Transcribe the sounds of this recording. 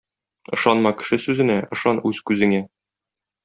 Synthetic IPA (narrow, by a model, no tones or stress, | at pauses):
ɤ̆ʃɑnmɑkɘ̥̆ʃɘsʉzɘ̆næɤ̆ʃɑnʉz̥kʉzɘ̆ŋæ